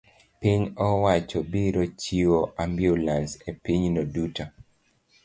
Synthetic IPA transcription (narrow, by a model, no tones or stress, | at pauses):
piɲɔwat͡ʃɔbiɾot͡ʃiwoʔambjulansepiɲnoduta